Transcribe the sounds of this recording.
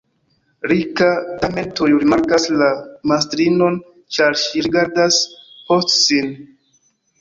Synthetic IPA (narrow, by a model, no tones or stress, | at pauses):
ɾikatame̞ntojɾimaɾkaslamastɾino̞n | t͡ʃaɾʃiɾiɡaɾdaspostsin